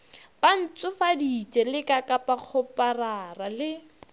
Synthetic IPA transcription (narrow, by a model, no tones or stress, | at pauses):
ban̩t͡sʊfadit͡ʃʼɛlɪkʼakʼapaq͡χʰʊpararalɪ